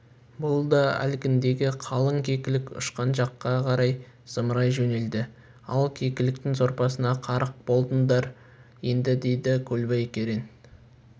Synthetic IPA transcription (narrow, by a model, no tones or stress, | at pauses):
bʊlˠd̪ɑæ̰lkʲɪnd̪e̞ɡʲɪqʰɑlˠəŋkʲʰekʲɪlɪkʲʊ̰ʃqɑnʒɑqːɑqʰɑɾɑj | səmɾɑjʒɵne̞ld̪ɪ | ɑlˠkʲʰe̞kʲɪlɪk̚t̪ɪŋzo̞ɾpɑsənɑqʰɑɾəq̚b̥o̞lˠd̪ənd̪ɑɾ | je̞nd̪ɪd̪e̞jd̪ɪkʲʰɵlbejkʲʰeɾen